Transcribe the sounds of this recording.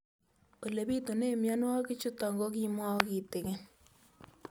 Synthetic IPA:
o˨le˨bi˦to˨ne˦˨mja˦n˦a˦ki˦t͡ʃʊ˦tɔ˨ŋɡɔ˦ki˦mwa˦ɔ˦ki˨te˨ke˦n

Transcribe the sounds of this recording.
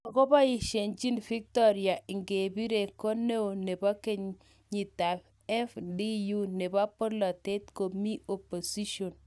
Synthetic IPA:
a˨kɔ˦ba˦ɪ˨ʃe˨nt͡ʃi˦nfi˦k̚tɔ˦ɾja˨ɪ˨ŋɡe˨bi˦ɾe˨ko˦ne˦o˨ne˨ba˦ke˦ɲ | ɲi˨ta˨f | ɛ˦fdi˦ju˦ne˨ba˦po˦la˨te˦tko˨mi˦o˨po˨si˦ʃo˨n

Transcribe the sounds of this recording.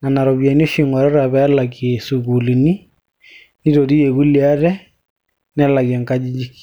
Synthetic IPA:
na˨na˨ɾɔ˨βja˨n˦o˦ʃi˨ŋɔ˨ɾɛ˦ɾa˨βɛ˦la˨kje˨su˨ɣu˨li˨ni˦ | ni˦ɾo˨ɾi˦je˨ɣu˦li˨a˦ɾɛ˦ | nɛ˦la˨ɣa˨ŋka˦d͡ʒi˦d͡ʒi˦ki̥˨

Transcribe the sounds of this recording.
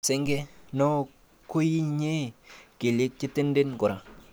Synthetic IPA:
se˦ŋɡe˦nɔ˦ | ko˦ji˦ɲe˦ke˨le˦k̚t͡ʃɪ˦te˦n˦de˦nkʊ˨ɾa˨

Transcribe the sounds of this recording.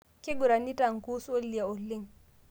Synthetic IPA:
ke˦ɡu˨ɾa˨ni˦ta˨ŋ˨ku˦so˦lːi˨a˨o˨lːi˦ŋ

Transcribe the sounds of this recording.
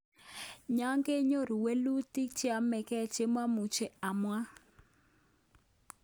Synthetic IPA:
ɲa˦ŋɡe˦ɲo˦ɾi˨we˦lu˦ti˦k̚t͡ʃi˦a˨˦mɛ˨kɛ˦t͡ʃe˦mwa˦mu˨t͡ʃe˨a˨mwa˦

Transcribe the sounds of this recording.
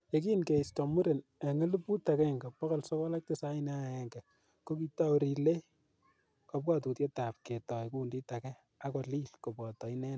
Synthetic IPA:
je˦ki˦nke˨istɔ˨mu˦ɾe˨ne˨ŋe˦lu˦pu˦ta˨kɛ˦˨ŋɡa˨pːɔ˦kɔ˦lsɔ˦kɔ˦la˦k̚te˦sa˦i˦na˦˨ɛ˨ŋɡɛ˨ | ko˦ki˦ta˦ɾi˨le˦ | kɔ˦p̚ka˦˨tu˨tje˦ta˨p̚ke˨tɔ˨jkundi˦ta˨kɛ˦ | a˦kɔ˨li˦lko˨pɔ˨tɔ˨i˦nɛ˦

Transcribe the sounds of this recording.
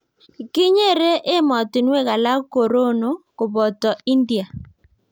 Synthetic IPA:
kɪ˦ɲe˦ɾe˦ʔɪ˦mɔ˨tɪ˨nwe˦˨ɣa˨la˦ko˨ɾo˦no˨kʊ˨bɔ˨tɔ˨i˦ndi˨a˨

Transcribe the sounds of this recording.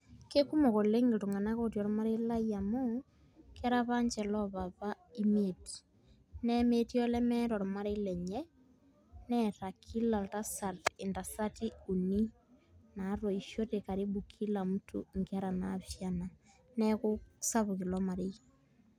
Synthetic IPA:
ke˦ku˦mo˨ɣo˨le˦ŋɡe˨tu˨ŋɡa˨na˦ko˦tjɔ˨ɾɔ˨ma˦ɾe˦la˦ia˨mo | kɛ˦ɾaβa˦ɲd͡ʒɛlɔ˦βa˨βa˦i˦meti̥ | nɛme˦ti˦ɔlɛ˦mɛ˦ɾɔ˨ɾɔ˨ma˦ɾei˦lɛ˨ɲɛ˦ | nɛɾa˨kʰi˦la˨lta˦sa˨te˨nda˨sa˦ti˦u˨ni˦ | na˨ɾo˨iʃo˦te˨ka˨ɾi˦bu˨kʰi˦la˨mu˦tʰṵ˨ŋɡɛ˦ɾa˨naβjana˨ | nɛkusa˦βuɣe˨lɔ˦ma˨ɾe˦i

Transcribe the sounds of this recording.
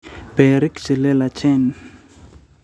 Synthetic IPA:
b̥ɛ˨ɾi˦kt͡ʃɪ˨lɛ˦la˨t͡ʃʰɛ˦n

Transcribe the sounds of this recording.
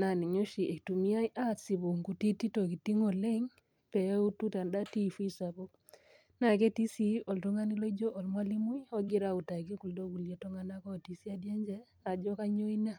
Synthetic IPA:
na˨ni˨ɲo˦ʃi˨e˨ktu˨mi˦a˦iʔa˦si˨βu˨ŋku˨ti˦ti˦to˨ki˨ti˦ŋo˨le˦ŋ | pɛ˨˦u˦tu˦ta˨nda˦ti˦fi˦sa˨βo˦ | na˨ke˦ti˦si˦ɔ˨ltɔ˦ŋa˦ni˦lo˦i˦d͡ʒo˦ʔɔ˨lmwa˦li˦mu˦jɔ˦ɡi˦ɾa˨u˨ta˨ki˦ku˨ldo˦ɡu˨lje˦tɔ˦ŋa˦na˦kɔ˦˨ti˨si˦a˦dja˦ɲd͡ʒɛ˦ | a˨d͡ʒɔ˦ka˦ɲo˦i˦na˦

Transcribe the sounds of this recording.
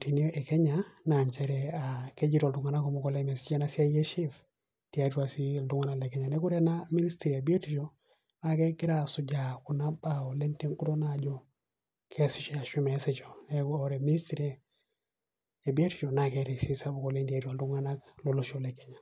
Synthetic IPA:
ti˨ni˦o˦ʔɛ˨kɛ˦ɲa˨na˨ɲt͡ʃɛ˦ɾɛ˨a˨ke˦d͡ʒi˦ɾa˨ldu˨ŋa˨na˦kɔ˨mɔ˨˦kɔ˨lɛ˦mɛ˨si˦t͡ʃa˦na˨si˦a˦je˦ʃi˦f | ti˨a˦twa˨si˦˨du˦ŋa˦na˦˨lɛ˨kɛ˦ɲa˨nɛ˦ko˦ɾɛ˦na˦mi˦ni˦stɾi˨e˨bi˦o˦ti˨t͡ʃo˦ | na˨kɛ˦kɪ˦ɾa˨su˨d͡ʒa˨ku˨na˦ba˦ɔ˨lɛ˦nte˦ŋku˦to˦na˦˨d͡ʒɔ˦ | kʰɛ˦si˦t͡ʃa˨ʃi˦mɛ˨˦sɛ˦t͡ʃɔ˨nɛ˦kːɾɛ˨mi˦ni˦stɾi˦ | e˨bi˦o˦ti̥˦t͡ʃɔ˨na˨kɛ˦ɾɛ˨si˦sa˦bu˨kɔ˨le˦ndi˨a˦twa˨ldu˦ŋa˦na˦klo˨lo˦ʃo˨lɛ˨kɛ˦ɲa˨

